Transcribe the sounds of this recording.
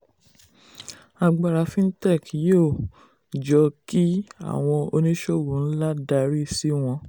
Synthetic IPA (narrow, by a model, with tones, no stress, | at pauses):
a˧ɡ͡ba˨ɾa˨˦fĩ˦n̩˦tɛ˦˨kjoː˦˨ | d͡ʒɔ˧ki˦a̰˨w̃ɔ̃˧o˧nĩ˦ʃo˦˨wu˨˦n̩˦la˦da˧ɾi˦si˦w̃ɔ̃˧